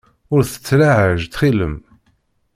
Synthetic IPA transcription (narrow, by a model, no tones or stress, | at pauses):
ʊɾθə̥t͡sːlaʕəʒt̪χilə̰m